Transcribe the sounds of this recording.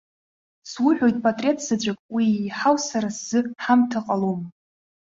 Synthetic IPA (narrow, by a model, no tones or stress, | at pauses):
swʊħʷᶣo̞jtʼpʼatʼre̞tʰʼzad͡ʒʷakʼwijħawsaɾasz̥ɨħamtʰaqʼalom